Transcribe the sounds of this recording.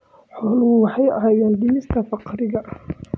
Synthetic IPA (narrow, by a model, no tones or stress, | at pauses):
ħɔːlʊɣʊwɑħɑjɐ̰ɦaːjɛːnd̪iːst̪ʰɐfɑqɾɪɣɐʔ